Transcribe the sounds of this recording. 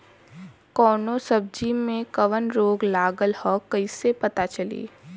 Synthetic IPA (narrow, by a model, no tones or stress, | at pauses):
kɔːnõsɐb̚d͡ʒimẽkɐʋənɾoːɡlaːɡəlhɔːkɐisepɐt̪at͡ʃɐlḭː